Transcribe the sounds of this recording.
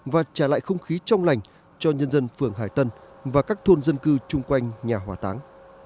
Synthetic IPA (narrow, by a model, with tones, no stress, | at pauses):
vaː˨˩t͡ɕaː˧˩la̰ː˧˨jxə˧wŋ͡mxi˨˦t͡ɕɔ˧wŋ͡mla˨˩jŋ̟ | t͡ɕɔ˧ɲə˧nzə˧nfɨ˨˧˩əŋɦaː˧˩jt̪ə˧n | vaː˨˩kaː˦˥k̚t̪ʰo˧nzə˧nkɨ˧t͡ɕʊ˧ŋ͡mkwa˧jŋ̟ɲaː˨˩hɦwaː˧˩t̪aː˨˦ŋ